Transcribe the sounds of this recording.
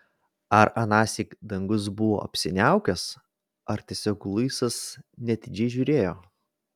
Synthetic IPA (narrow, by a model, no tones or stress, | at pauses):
ɐɾɐnɑːsʲɪkd̪ɐŋɡʊsbʊʋo̰ːɐ̰pʲsʲɪnʲæˑʊkʲɛs | ɐɾt̪ʲiɛsʲoːklˠɐɪsɐsnʲɛt̪ʲɪd͡ʒʲɛɪʒʲʊːɾʲeːjoː